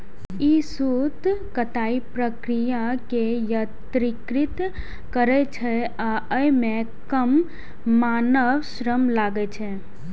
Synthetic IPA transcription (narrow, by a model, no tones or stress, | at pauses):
isut̪kət̪aːipɾəkɾijakejət̪ɾikɾit̪ | kəɾet͡ʃʰe | aəjmẽ | kəmː | aːnəʋʃɾəmlaɡet͡ʃʰe